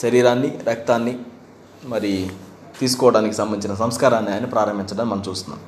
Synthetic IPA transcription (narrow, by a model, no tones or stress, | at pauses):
ʃɐɾiːɾaːnːiɾɐk̚t̪aːnːi | mɐɾi | t̪iːs̬u̥kɔːʋɐɽaːnikisɐmbɐnit͡ʃinɐs̬ɐmskaːɾaːnːiaːjnːipɾaːɾɐmbʱiɲt͡ʃɐɽaːnimɐnɐmt͡ʃuːst̪unːa̰ːm